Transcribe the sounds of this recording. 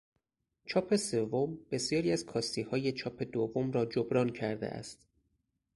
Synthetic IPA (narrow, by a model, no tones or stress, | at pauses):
t͡ʃʰɒːpʰe̞se̞vːo̞mb̥e̞sjɒːɾiːæzkʰɒːst̪iːhɒːje̞t͡ʃʰɒːpʰe̞d̪ovomɾɒːd͡ʒobɾɒːncʰæɾd̪e̞̰ʔæ̰st̪